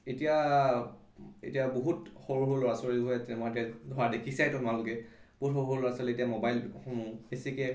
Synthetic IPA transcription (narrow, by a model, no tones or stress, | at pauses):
etija | ḛtijaboɦutxoɹuɦolɔɹasɔɹiliɡʱojatɛmetiadʱɔɹadekʰisajtʊmnalʊkɛb̥oɦutxoɹuɦoloɹasɔletijamɔbajlxɔmubesikɛ